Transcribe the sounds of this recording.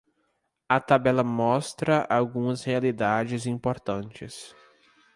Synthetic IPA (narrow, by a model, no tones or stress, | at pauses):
ɐt̪abɛlɐmɔst̪ɾɐʔawɡũɐshealid̪ad͡ʒɪzĩmpoɾt̪ɐ̃nt͡ʃɪs